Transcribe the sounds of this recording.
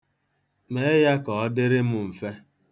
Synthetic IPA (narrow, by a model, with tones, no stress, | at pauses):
ne˦ja˦kɔ˨ɔ˦dɪ˦ɾɪ˦mʊ˨m̩˨fe˦